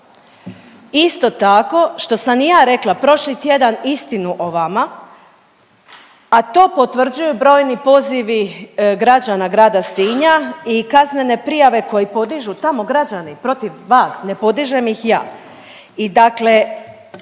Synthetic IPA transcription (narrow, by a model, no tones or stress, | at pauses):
ist̪o̞t̪ako̞ʃt̪o̞samjaːɾe̞klˠapɾo̞ʃlit̪je̞d̪anist̪inuʔoʋama | at̪o̞ːpo̞t̪ʋr̩d͡ʑujubɾo̞ːjnipo̞ːziʋiɡɾad͡ʑanaɡɾaːd̪asiːɲaikazne̞ne̞pɾijaʋe̞ko̞jipo̞d̪iʒut̪amo̞ɡɾad͡ʑanipɾo̞t̪iʋːaːsne̞po̞d̪iʒe̞mjixja̰ː | id̪akle̞